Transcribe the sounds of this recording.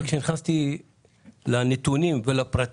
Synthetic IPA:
kʃeniχast̪i | lanet̪unimvelapʁat̪

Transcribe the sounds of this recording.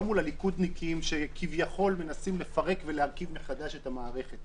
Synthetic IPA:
mulalikud̪nikʰiimʃe̞kʰivjaχo̞lme̞nasimle̞faʁe̞kveleaʁkivmeχad̪aʃe̞t̪hamaːʁe̞χe̞t

